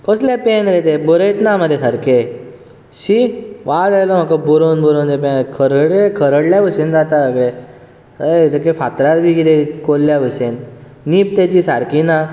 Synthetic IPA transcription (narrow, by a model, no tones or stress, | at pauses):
kɔsljapenɾet̪ebɔɾəjt̪naməd̪ʱːekəɾke | ɕiʋad̪ajlom̤akobuɾonbuɾond͡z̪epenkʰəɾəɽekʰəɾəɽljaʋəsend͡zat̪asaɡɭe | ɾəkefat̪ɾaɾbʱikit̪ekolːjaʋəsenː | iːp̚t̪at͡ɕisa̰ɾkina